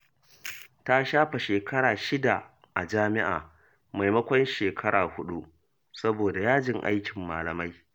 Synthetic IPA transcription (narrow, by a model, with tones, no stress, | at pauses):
ta˦ʃaː˦ɸa˨ʃeː˨kʰɐ˦ɾaː˨ʃɪ˦da˨ | ʔa˨d͡ʒaː˦mɪ˦ʔa̰ː˨ | ma˨jmɐ˦kʷɔ˦nʃeː˨kʰɐ˦ɽaː˨hʊ˦ɗu˦ʔ | sɐ˦boː˨da˨jaː˦d͡ʒɪ˨ŋʔa̰˦jkʲɪ˨mːaː˨lɐ˨ma˦j